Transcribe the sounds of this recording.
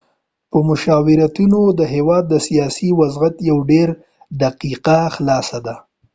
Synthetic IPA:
pəmʊʃɑwɪɾat̪unod̪əɦewɑd̪̚ːəsijɑsiwazɣat̪jawɖeɾ | d̪aqiqaxlɑsad̪a

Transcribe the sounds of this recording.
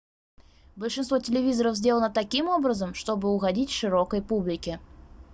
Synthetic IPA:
bəlʲʂɨnst̪votʲɪlʲɪvʲizəɾəfzʲdʲelˠənət̪ɐkʲimobɾəzəmʂt̪obɨʊɣɐdʲitʲʂɨɾokəjpublʲɪkʲɪ

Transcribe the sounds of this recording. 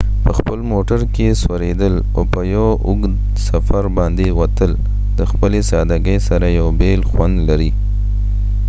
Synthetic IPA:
pəxpəlmoʈaɾkeswaɾed̪əl | o̰pəjawʔʊɡd̪ | safaɾbɑnd̪ewat̪əl | d̪̥əxpəlesɑd̪aɡəjsaɾajawbelxwand̪laɾi

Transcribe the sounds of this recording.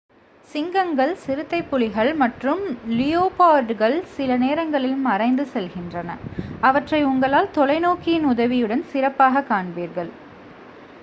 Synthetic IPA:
sɪŋɡɐŋɡɐɭsɪɾɯt̪ːɐɪpːʊɭɪɣɐɭmɐʈrɯmlɪjoːpaːɖɣɐɭsɪlɐneːɾɐŋɡɐɭɪlmɐrɐɪnd̪ɯsɛlɣɪndrɐnɐ̰ɐʋɐʈrɐɪʊŋɡɐɭaːlt̪ɔlɐɪnoːkːɪjɪnʊðɐʋɪjɯɽɐnsɪrɐpːaːɣɐkːaːɳbiːɾɣɐɭ

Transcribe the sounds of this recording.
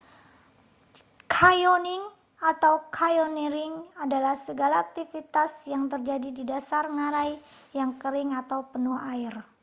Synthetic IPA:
kʰajoniŋ | at̪awkʰajoniɾɪŋadalahsəɡalaːk̚t̪ifit̪asjaŋt̪ərd͡ʒadididasarŋaɾaj | jaŋkəɾɪŋat̪awpənuhaɪr

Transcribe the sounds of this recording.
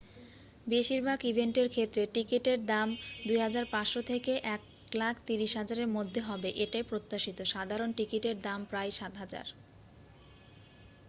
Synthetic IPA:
beʃiɾbʱaɡibʱeɳʈeɾkʰet̪ːɾeʈikiʈeɾd̪amd̪ujɦad͡ʑaɾpaʃot̪ʰekeʔɛk | lakʰt̪iɾiʃɦad͡ʑaɾeɾmod̪ʱːeɦɔbeʔeʈajpɾot̪ːaʃit̪oʃad̪ʱaɾonʈikiʈeɾd̪ampɾajʃat̪ɦad͡ʑa̰ɾ

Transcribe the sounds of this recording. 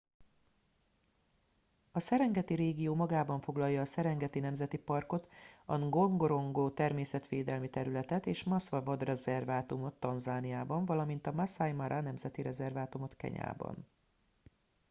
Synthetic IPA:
ɒsɛɾɛŋɡɛt̪iɾeːɡijoːmɒɡaːbɒɱfo̞ɡlɒjːɒːsɛɾɛŋɡɛt̪inɛmzɛt̪ipɒrko̞t̪ɒɡo̞ŋɡoɾo̞ŋɡoːt̪ɛrmeːsɛt̪ʋeːd̪ɛlmit̪ɛɾylɛt̪ɛt̪eːʃmɒsʋɒvod̪rɛzɛrvaːt̪umo̞t̪ːɒnzaːnijaːbɒɱvɒlɒmin̪t̪ɒmasajmaɾʔanɛmzɛt̪iɾɛzɛrvaːt̪umo̞t̪kɛ̰ɲa̰ːbɒ̰n

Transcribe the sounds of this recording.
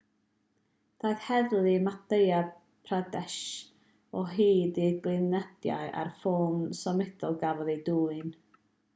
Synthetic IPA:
d̥ajðhɛðlˠɪmateja | pʰradɛʃ | ɔɦiːdiɡlˠɨnɛd̥ja̰jʔa̰rfoːnsɔmɛd̥ɔlˠɡavɔðeduːɨn

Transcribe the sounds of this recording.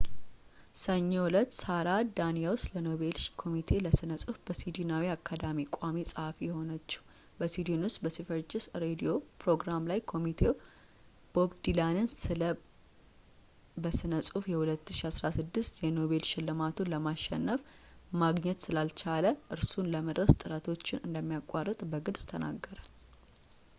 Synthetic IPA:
səɲːolət̪ːsaɾad̪anijawʊst̪ləno̞βe̞lʃkʰo̞mit̪ʰe̞ləsɨnəsʼufb̥əsid̪inawiakʰːad̪amikʷʼamisʼəhafijɛho̞nət͡ʃːɛ̥w | bəsid̪inʊst̪ʼbəsifəɾd͡ʒʼɪsɾed̪io̞pɾo̞ɡɾamlajkʰo̞mit̪ʰe̞w | b̥o̞bd̪ilanɨnsɨlə | bəsɨnəsʼufjɛhulət̪ːɨ̥ʃiasɾasɨd̪ːɨst̪jɛno̞βe̞lʃɪlːɨmat̪ʰuləmaʃːɛ̰nːəf | maɡɲɛt̪sɨlalt͡ʃaləʔɨɾsunləməd̪ɾəst̪ʼɨɾat̪ʰo̞t͡ʃːɪnɨ̰nd̪əmːijakʼarːət̪ʼbəɡɨdzt̪ʰəna̰ɡːəɾə

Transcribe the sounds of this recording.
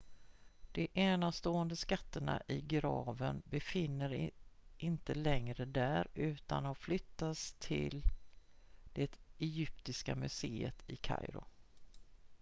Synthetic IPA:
d̪̥ɛʔɛːnast̪oːənd̪əskat̪ːəɳa̰ʔɪɡɾɑːvənbɛfɪnːəɾɪnt̪əlɛŋɾəd̪æɾʉ̟ːt̪a̰nɔflʏt̪ːast̪ʰɪl | d̪̥ɛt̪ɛjʏp̚t̪ɪskamɵseːət̪ʰɪkʰa̰jɾʊ̰

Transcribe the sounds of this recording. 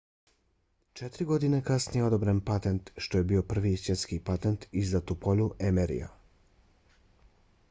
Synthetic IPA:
t͡ʃet̪ɾiɡo̞d̪inekasnijeo̞d̪obɾenpat̪ent̪ʃt̪o̞jebio̞pr̩ʋisʋjet̪skipat̪ent̪izat̪upoluʔemeɾḭja̰

